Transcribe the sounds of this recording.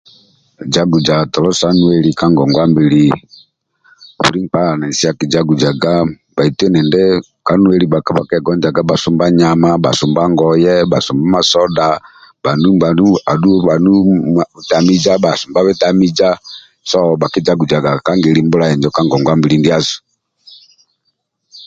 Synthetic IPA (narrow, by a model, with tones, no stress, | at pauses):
d͡ʒa˦ɡu˨d͡ʒa˨tɔ˨lɔ˦sa˦nu˦ɛ˨li˨ka˦ŋɡɔ˨ŋɡwa˦mbi˨li˦ | ṵ˨ɾi˦ŋpa˦la˨nɛ˨si˦a˦ki˨d͡ʒa˦ɡu˨d͡ʒa˨ɡa˦ | ba˨i˨tɛ˦nɛ˨ndɛ˦ | ka˦nu˦ɛ˨li˨ba˨ka˦ba˨kɛ˦ɡɔ˦nd͡ʒa˨ɡa˦ba˨su˦mba˦ɲa˨ma˦ba̰˨su˨mba˦ŋɡɔ˨jɛ˦ba˨su˨mba˦ma˨sɔ˦da˨b̥a˨nu˦mba˨nu˦a˨du˦βa˨nu˦˨βu˨ta˨mi˦d͡ʒa˦ba˨su˨mba˦βɛ˦ta˦mi˦d͡ʒa˦ | sɔ˦ba˨ki˦d͡ʒa˦ɡu˨d͡ʒa˨ɡa˨ka˦ŋɡi˨li˦mbu˦la˦ɛ˨ɲd͡ʒɔ˦ka˦ŋɡɔ˨ŋɡwa˦mbi˨li˦ndi˦a˦su̥˨